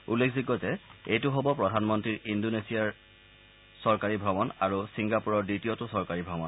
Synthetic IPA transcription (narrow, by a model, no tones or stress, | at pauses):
ulːekʰziɡːɔzɛejtʊɦobɔpɹɔdʱanmɔntɹiɹindonesiaɹ | sɔɹkaɹibʱɹɔmɔnaɹusiŋɡapuɹɔɹdɹitiotʊsɔɹkaɹibʱɹɔmɔn